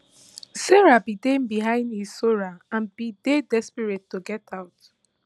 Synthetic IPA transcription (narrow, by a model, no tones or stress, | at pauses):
seɹabidembiɦãɪ̃ndisoɹaãnbidedɛspiɹitːoɡɛtʰaʊt